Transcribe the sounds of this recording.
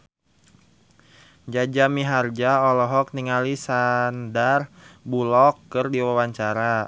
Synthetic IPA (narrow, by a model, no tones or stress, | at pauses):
d͡ʒad͡ʒamiɦard͡ʒaɔlɔɦɔk̚niŋalisandarbulɔkːɨrdiwawaɲt͡ʃaɾa